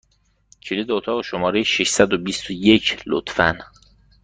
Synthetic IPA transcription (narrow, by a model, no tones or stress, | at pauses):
cʰilid̪eot̪ʰɒːɣoʃomɒːɾejeʃeʃsæd̪obist̪ojecʰlo̰t̪fæ̰n